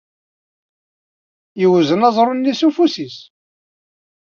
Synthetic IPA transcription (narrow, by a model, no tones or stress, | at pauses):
jəwzənɑzˤɾˤonːisufusis